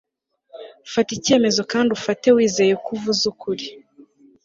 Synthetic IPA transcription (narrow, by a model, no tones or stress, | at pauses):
ufatice̞ːme̞zo̞kaːndiufate̞wiːze̞jekuvuzukuɾi